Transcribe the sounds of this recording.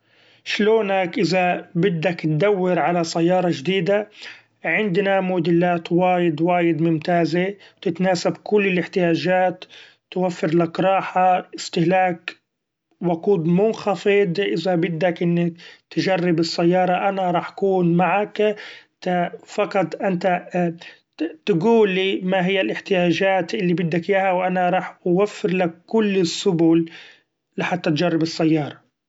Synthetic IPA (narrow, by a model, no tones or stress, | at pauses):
ʃloːnakʔɪzabɪd̪ːakt̪̚d̪awːɪɾʕalasajːɑːɾˤɑʒd̪iːd̪a | ʕɪnd̪namʊd̪ɪlːaːt̪waːjɪd̪waːjɪd̪mʊmt̪aːzet̪ɪt̪naːsabkʊlːɪlʔɪħt̪ɪjaːʒaːt̪ː | wafːɪɾlakɾˤɑːħaʔɪst̪ɪhlaːk | wʊquːd̪mʊnxɑfɪd̪ʔɪðabɪd̪ːakʔɪnːakt̪ʒarːɪbɪsːajːɑːɾˤɑʔanaɾˤɑːħḁkuːnmaʕakt̪afɑqɑt̪ˤʔɪnt̪a | t̪ɡuːlːimaɦɪjːalʔɪħt̪ɪjaːʒaːt̪ʔɪlːibɪd̪ːakjaːhawʔanaɾˤɑːħʔwafːɪɾlakːʊlːɪsːʊbuːlː | ɪħat̪ːat̪d͡ʒarˤːɪbɪsːajːɑːɾˤɑ